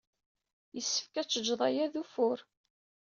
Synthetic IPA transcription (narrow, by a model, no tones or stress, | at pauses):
jəsːə̥fkæt͡sːəd͡ʒːðˤɑjæðufʊɾ